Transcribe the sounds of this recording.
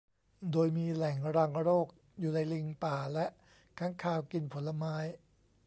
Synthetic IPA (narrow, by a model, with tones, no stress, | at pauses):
doː˧jmiː˧lɛ˨˩˦ŋɾa˧ŋɾoː˥˩k̚ | juː˨˩na˧jli˧ŋpaː˨˩lɛ˦˥ʔ | kʰa˦˥ŋkʰaː˧wki˧npʰo˩˦nla˧maː˦˥j